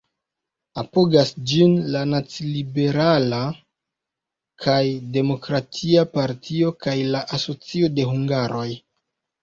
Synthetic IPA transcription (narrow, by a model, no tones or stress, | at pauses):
apo̞ɡasd͡ʒinlanat͡slibe̞ɾala | kʰajde̞mo̞kɾatʰiapaɾtʰio̞kajlaʔaso̞t͡sio̞de̞ɦuŋɡaɾo̞j